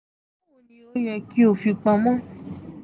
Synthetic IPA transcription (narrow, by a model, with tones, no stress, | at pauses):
nĩ˧o˦ɲã˧ki˧˦o˨fi˧k͡pã˧mã˦